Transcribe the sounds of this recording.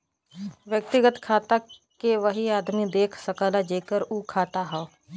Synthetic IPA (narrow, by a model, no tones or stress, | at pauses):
ʋjək̚t̪ɪɡət̪kʰaːt̪akeʋəɦiaːd̪mid̪eːkʰsəkaːlad͡ʒeːkəɾuːkʰaːt̪aɦɛo